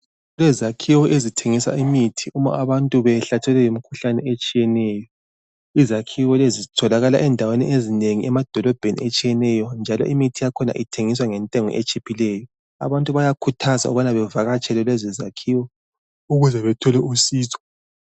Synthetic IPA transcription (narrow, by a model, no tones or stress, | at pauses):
lɛzakʰiwɔʔezitʰeŋisa̰imitʰiʔuma̰ʔaβantʼuβɛɬatʰɛlɛjimikʰuɬanɛet͡ʃʼijɛnɛːjɔ | izakʰiwɔlezitʰɔlaɣala̰ʔɛndʱawenḭʔezineŋiʔɛmad̥ʱɔlɔb̥ʱenḭet͡ʃʼijɛnɛjɔnd͡ʒʱalɔ̰ʔimitʰijakʰɔna̰ʔitʰeŋiswaŋɛntʼɛŋɔ̰ʔet͡ʃʼipʰilɛjɔ | a̰βantʼuβajakʰutʰaza̰ṵβanaβɛvaɣat͡ʃʰʼɛlɛlwɛzɛzakʰiːwɔ | uɣuzɛβɛtʰɔlɛusiːzʰʼɔ̥